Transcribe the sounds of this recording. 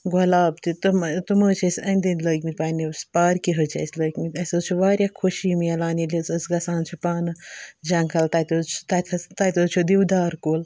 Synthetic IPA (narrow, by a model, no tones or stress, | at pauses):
ɡolaːbt̪it̪umt̪umɐːt͡ʃʰɐsʲɐnʲd̪inləkʲmit̪paːnispaːɾkiɦət͡ʃʰɐ̰sʲlɐkʲmit̪ʲɐsɐt͡ʃʰuʋaːɾʲjakʰoʃimiɐlaːnilʲɐsɐsɡɐsaːnt͡ʃʰipaːnɨd͡ʒɐŋkʰɐlt̪ɐt̪ʲot͡ʃʰt̪ɐt̪ʰɐt̪ɐt̪ot͡ʃʰud̪iwd̪aːɾkoːl